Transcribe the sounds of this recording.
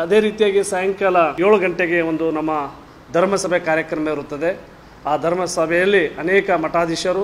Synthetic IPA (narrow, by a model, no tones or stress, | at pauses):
ɐd̪e̞ːɾiːt̪ijaːɡisɐjɐŋkɐlɐjoːɭuɡɐɳʈeɡe̞o̞nd̪unɐmːɐ | d̪ʱɐɾmɐsɐbʱekaːɾjɐkɾɐmɐiɾut̪ːɐd̪e | aːd̪ʱɐɾmɐsɐbʱɛjɐlːiɐnɛːkɐmɐʈaːd̪iʃɐɾu